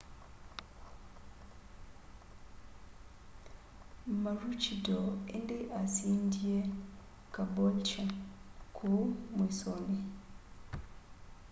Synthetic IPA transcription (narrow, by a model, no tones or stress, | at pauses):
maɾut͡ʃidoendeʔasiːndije | kabolt͡ʃakʰumwisone